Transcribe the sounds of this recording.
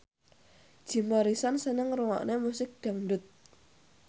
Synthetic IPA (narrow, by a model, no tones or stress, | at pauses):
d̥ʒ̥i̤maɾisansənəŋruwa̰ʔnemusɪk̚ɖ̥a̤ŋɖʊt̪̚